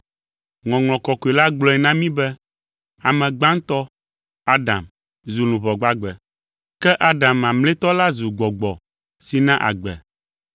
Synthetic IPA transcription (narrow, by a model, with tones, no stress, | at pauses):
ŋɔ̃˨ŋl̃ɔ̃˨kɔ˨ko˨e˨la˦ɡ͡blɔ˦ɛ˨nã˦mĩ˦bɛ˦ | a˨mɛ̃˨ɡ͡bã˦ŋ˦t̪ɔ˦ | a˦dã̰˨m | zu˨lũ˨βɔ˨ɡ͡ba˨ɡ͡bɛ˨ | kɛ˦ʔa˦ɖa˨mã˨mlẽ˦t̪ɔ˦la˦zu˨ɡ͡bɔ˨ɡ͡bɔ˨ | si˨nã˦ʔa̰˨ɡ͡bɛ̰˨